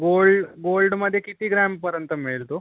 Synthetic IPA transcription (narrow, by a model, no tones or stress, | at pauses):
ɡolɖɡolɖməd̪ʱːjekit̪iːɡɾæmpəɾjənt̪əmiɭlt̪o